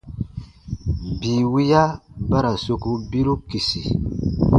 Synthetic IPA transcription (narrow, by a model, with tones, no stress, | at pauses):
biː˨wi˦ja˦ba˦ɾa˨so˨ku˦bi˦ɾu˦ki˨si˨